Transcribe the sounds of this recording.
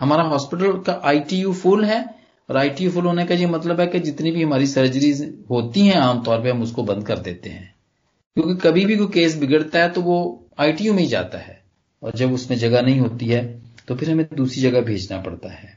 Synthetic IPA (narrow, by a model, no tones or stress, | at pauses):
hɐmaːɾaɦɔːspɪʈ̬əlkaʔaːiʈijuːfʊlɦɛː | ɔːɾaːiʈijufʊlɦoːnekaiemɐt̪ləbɦɛked͡ʒɪt̪nibʱiɦɐmaːɾisɐɾd͡ʒɾizɦoːt̪iɦɛ̃aːmt̪ɔːɾpeɦɐmʊskobɐ̃nd̪̚kɐɾd̪ḛːt̪eɦɛ̃ː | kjõːkekɐbʱibʱikokeːs̬bɪɡəɽt̪aɦɛt̪oʋo | aːiʈiːjumẽɦĩd͡ʒa̰ːt̪a̰ɦɛ̰ː | ɔ̰ːɾd͡ʒɐbʊsmẽd͡ʒɐɡanɐɦĩɦoːt̪iɦɛːt̪opʰɪɾɦɐmẽd̪uːsɾid͡ʒɐɡabʱḛːd͡ʒnapɐ̰ɽt̪a̰ɦɛː